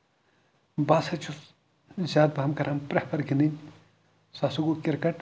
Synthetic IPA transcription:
baːsɐt͡ʃʰus | zʲaːd̪̚baɦɐmkɐɾɐmpɾɐhpʰɐɾɡininʲ | sasuɡukiɾkɐʈ

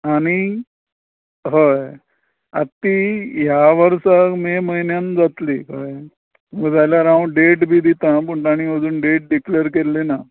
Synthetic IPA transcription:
aɽ̃i | ɦə | at̪ːiːɦjaʋəɾsameməɦinjand͡zat̪likəe | məɡəd͡zajljaɾaʋũɖeʈbʱiːd̪it̪ãpəɳt̪aɽ̃iəd͡zuːnɖeʈ̚ɖikleəɾkelːena

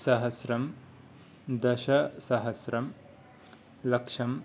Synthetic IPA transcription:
sɐɦɐsɾɐm | d̪ɐʃɐsɐɦɐsɾɐm | lɐkʂɐm

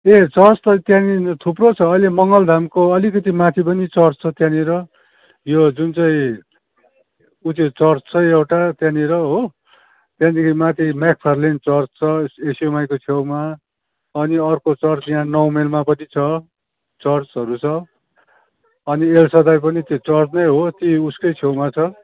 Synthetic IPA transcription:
et͡sʌrt͡st̪ʌt̪jãnit̪ʰuprot͡sʰʌːilemʌŋɡʌld̪ʱamkoʌlikʌt̪imat̪ʰip̬ʌnit͡sʌrt͡st͡sʰʌt̪jãniɾʌ | jod͡zunt͡sʌĩ | ut͡set͡sʌrt͡st͡sʰʌjewʈat̪jãniɾʌɦo | t̪jãd̪ikʰimat̪ʰimak̚pʰarlent͡sʌrt͡st͡sʰʌesijomajkot͡sʰewma | ʌniʌrkot͡sʌrt͡sjãnʌwmelmapʌnʰit͡sʰʌ | t͡sʌrt͡sɦʌɾut͡sʰʌ | ʌnielsʌd̪ajpʌnit̪jot͡sʌrt͡snʌjɦot̪iuskʌjt͡sʰewmat͡sʰʌ

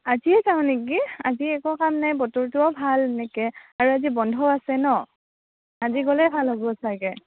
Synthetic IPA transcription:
aziɛzaʊ̃nek̬iaziɛkɔkamnajbɔtuɹtʊɔbʱalnɛkɛaɹuazibɔndʱɔasɛnɔ | aziɡɔlɛbʱalɦobɔsaɡɛ

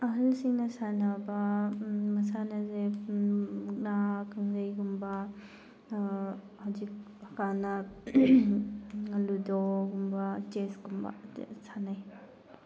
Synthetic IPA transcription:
ɐɦɐlsiŋnɐsanabɐmɐsanɐze | uk̚nakaŋzɐjɡumbɐ | hawzik̚ | hɐkanɐ | ludɔɡumbɐt͡ʃesɡumbɐ̰sʰanaj

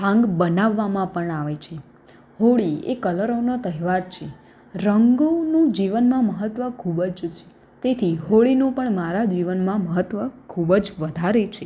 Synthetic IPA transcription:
ɦãŋɡbənaʋːamãpəɳaʋet͡ʃʰe | ɦoɭiḛkələɾonot̪əɦiʋaɾt͡ʃʰe | ɾəŋɡonũd͡ʒiʋənmãməɦət̪ʋəkʰubəd͡ʒt͡ʃʰe | t̪et̪ʰiɦoɭinũpəɳmaɾad͡ʒiʋənmãməɦət̪ʋəkʰubəd͡ʒʋəd̪ʱaɾet͡ʃʰe

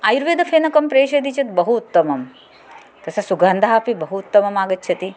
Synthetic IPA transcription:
aːjɾʋeːd̪ɐfʰeːnɐkɐmpɾeːʃɐd̪it͡ʃɐt̪bɐɦuːt̪ːɐmɐm | k̪ɐsɐsuɡaːnd̪ʱaːpibɐɦuːt̪ːɐmɐmaːɡɐt̪̚t͡ʃʰɐt̪i

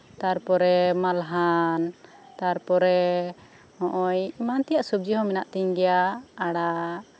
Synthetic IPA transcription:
t̪aɾpɔɾɛmalɦan | t̪aɾpɔɾɛ | hɔ̃ʔɔjimant̪ɛjaʔsub̚d͡ʒiɦɔmɛnaʔt̪iɲɡɛjaaɽa

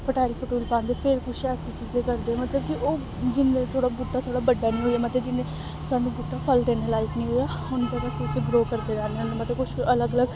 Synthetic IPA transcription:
pʰəʈaːɾiːpʰʊʈuːlpãːnd̪eːpʰɪɾkʊʃɛsʰiːt͡ʃiːzẽːkəɾd̪eːɛːmət̪ləbkiʔoː | d͡ʒɪnːẽːt̪ʰoːɽaːbʊʈːaːt̪ʰoːɽaːbəɖːaːnĩːɦoːijaːmət̪ləbd͡ʒɪnːẽː | sʊaːnũːɡuʈːaːpʰəlt̪eːnẽːlaːɪknĩːɦoːjaːʊnt̪əɾasĩseɡɾoːkəɾd̪eːd͡ʒaːnenemət̪ləb̚kʊʃələɡələɡ

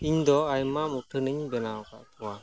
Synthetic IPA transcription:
iɲd̪ɔajmamutʰɯnɯɲbɛnaɔka̰ʔt̪ʰuwa

